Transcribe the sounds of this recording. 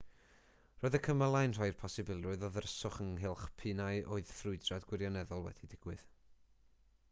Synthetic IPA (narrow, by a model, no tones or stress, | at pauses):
roːjðəkʰəməlˠajnr̥ajrpʰɔsɪbɪlˠɨðɔðərəsʊχəŋɦɪlˠχpʰɨːnaɨʔo̰ɨð̥θrʊɨdradɡwɪɾjɔnɛðɔlˠwɛ̰d̥idɪɡ̥wɨð